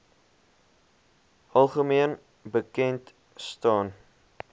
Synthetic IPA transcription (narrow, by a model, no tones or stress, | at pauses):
ɐlˠχəmiən | bəkɛnt | stɑːn